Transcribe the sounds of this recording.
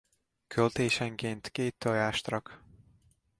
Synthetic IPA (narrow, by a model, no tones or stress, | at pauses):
kʰølt̪eːʃɛŋkeːnt̪keːt̪ːɒjaːʃt̪rɒk